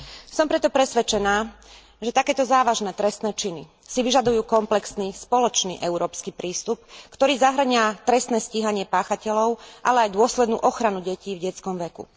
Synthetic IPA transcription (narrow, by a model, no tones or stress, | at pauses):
sɔmpɾɛt̪ɔpɾɛsʋɛt͡ʃɛnaː | ʒɛt̪akɛːt̪ɔzaːʋaʒnɛːt̪ɾɛst̪nɛːt͡ʃini | siʋiʒad̪ujuːkɔmplɛksnispɔlɔt͡ʃnḭːʔɛuɾɔːpskiːpɾiːst̪upkt̪ɔɾiːzaɦr̩ɲɪat̪ɾɛst̪nɛːsciːɦaɲɪɛpaːxacɛlɔʊʔalɛajd̪ʊɔslɛd̪nṵːʔɔxɾanuɟɛciːvɟɛt͡skɔmʋɛkṵ